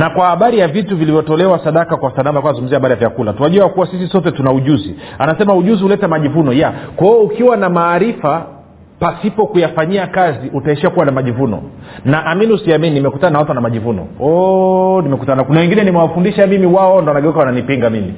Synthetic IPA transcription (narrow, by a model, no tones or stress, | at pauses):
nakwahaɓaɾijavituvilivjɔtɔlɛwasaɗakakwasanamalikwaazuum̩ziaɓaɾijavjakulatuwaʄuakuwasisisɔtɛtunauʄuzi | anasɛmauʄuzihulɛtɛmaʄivunɔjakaɔukiwanamaːɾifa | pasipɔkujafaɲiakaziʔutaɛʃiakuwanamaʄivunɔ̰ | naʔaminiusiamininimɛkutananawatuwanamaʄivunɔ̰ɔnimɛkutananakunawɛŋɡinɛnimɛwafundiʃamimiwaɔndɔanaɠɛukawananipiŋɡamimi